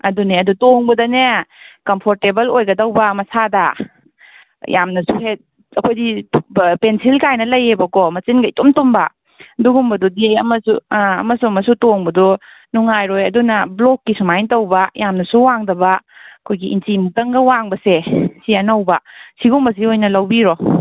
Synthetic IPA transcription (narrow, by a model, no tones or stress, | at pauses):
ɐduneɐdutoŋbɐdɐnekɐmpʰoɾtebɐlojɡɐdɐwbɐmɐsada | jamnɐsuhe | ɐkʰojdipensilkajnɐlɐjebɐkɔmɐt͡ʃinɡaidomtombɐ | duɡumbɐdudiɐmɐsṵɐ̰mɐsuɐmɐsutoŋbɐdɔ | nuŋajɾojɐdunɐblokːisumajntɐwbajamnɐsuwaŋdɐbɐɐkʰojɡiʔḭntimutɐŋɡɐwaŋbɐsesiɐnɐwbɐsiɡumbɐs̬iojnɐlɐwbiɾɔ